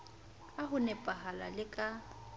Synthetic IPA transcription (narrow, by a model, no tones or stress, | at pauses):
aɦʊnɛpʼaɦala̰lɪkʼa